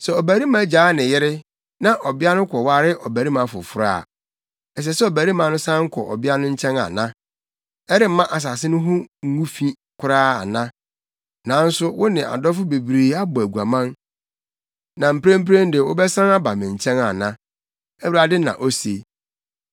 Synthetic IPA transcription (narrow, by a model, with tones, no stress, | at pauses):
sɛ˨ɔ˨bæ˨ɾi˦mã˦d͡ʑaː˨˦nɪ̃˨jɪ˦ɾɪ˦ | nã˦˨ʔɔ˨bɪ˦a˦nʊ̃˦kʰɔ˨wa˦ɾɪ˦ʔɔ˨bæ˨ɾi˦mã˨˦fʊ̰˨fʊ˦ɾa̰ː˦˨ | ɛ˨s̬ɛ˨sɛ˦ɔ˨bæ˨ɾi˦mã˨˦nʊ̃˦sã˦ŋ̩˦kʰɔ̰˨ʔɔ̰˨bɪ˦a˦nʊ̃˦ɲ̩˦t͡ɕʰɛ̃˦na̰˨nã˦ | ɛ˦ɾɪ˦m̩˦mã˦ʔa˨s̬a˨sɪ˦nʊ̃˦ɦʊ̃˦ŋ̩˦ŋũ˦fĩ˦ | kʰʊ˦ɾaː˦a̰˨nã˦ | nã˨˦n̩˦sʊ˦wʊ˦nɪ̃˨ʔa̰˨dɔ˦fʊ˦be˨bɾiː˨a˦bʊ˨æ˨ɡu˨a˨mã˦n | nã˨m̩˨pɾẽ˦m̩˦pɾẽ˦n˦dɪ˨ʊ˦bɛ˦sã˦na˦ba˨mɪ̃˨ɲ̩˨t͡ɕʰɛ̃˦na˨nã˦ | æ˦wɾa˨dɪ˦nã̰˨ʔɔ˦sḛ˨